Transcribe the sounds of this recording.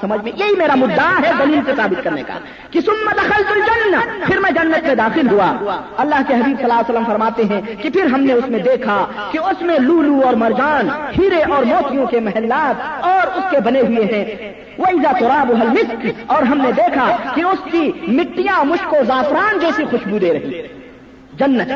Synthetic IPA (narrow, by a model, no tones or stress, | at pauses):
sɐməd͡ʒʱmẽjeɦimeːɾamʊd̪ːaɦɛd̪ɐliːlsesaːbɪt̪̚kɐɾnḛka̰ | kisʊmːəd̪ɐxəlt̪ʊld͡ʒɐnːəpʰɪɾmɛ̃d͡ʒɐnːət̪mẽd̪aːxɪlɦuaɐlːaːɦkeɦɐbiːbsɐlaːsəlːəmfɐɾmaːt̪eɦɛ̃ | kipʰɪɾɦɐmneʊsmẽd̪eːkʰa | kiʊsmẽluːluɔːɾmɐɾd͡ʒaːnhiːɾeʔɔːɾmoːt̪ʰijõkemɐɦɛlːaːt̪ɔːɾʊskebɐneɦʊeɦɛ̃ | woɪzat̪ʊɾaːboɦɐlmɪskɔːɾɦɐmned̪eːkʰakiʊskimɪʈːijãmʊʃkozaːfɾaːnd͡ʒɛːsixʊʃbud̪eːɾɐɦḭ | d͡ʒɐnːət̪